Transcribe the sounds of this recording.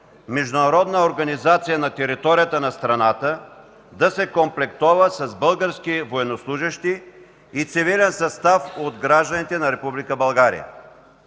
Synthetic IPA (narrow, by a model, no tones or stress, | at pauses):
mɛʒd̪ʊnɐɾɔd̪nəoɾɡɐnizat̪sijənɐt̪ɛɾit̪ɔɾijət̪ənɐst̪ɾɐnat̪ə | d̪ɐsɛkomplɛkt̪ɔvəsɐzbəlˠɡəɾskivoɛnoslˠuʒəʃt̪iː | t̪sivilɛnsɐst̪afod̪ɡɾaʒd̪ənit̪ɛnɐɾɛpublikəbɐlˠɡaɾḭjə̰